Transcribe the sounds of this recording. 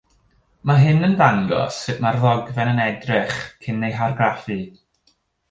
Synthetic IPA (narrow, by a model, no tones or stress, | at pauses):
maɦɨnənðaŋɡɔ̰sːɨʔmarðɔɡvɛnənɛdrɪχkʰɪnːejɦarɡrafɨ